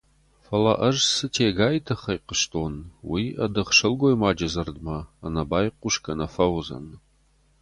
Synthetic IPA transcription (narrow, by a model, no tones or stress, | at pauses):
fɐlɐ̰ʔɐʒsɨtʰeːɡaːjtʰɐχɐjqəʃtʰoːnwiːɐdɨʁʂɐlɡʷojmaːd͡ʒɐzɐrdmɐːnɐbaːjqʷʊʃkʰɐnɐfɐwʊzɐ̰n